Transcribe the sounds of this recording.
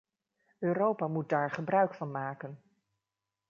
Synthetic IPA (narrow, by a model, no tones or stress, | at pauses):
øːɾowpaːmut̚daːɹχəbrœɥkfɑnmaːkən